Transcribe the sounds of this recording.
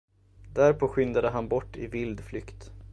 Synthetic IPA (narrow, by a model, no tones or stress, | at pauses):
d̪æɾpʰoːɧʏnd̪ad̪əɦanbɔʈːɪvɪld̪flʏkt̪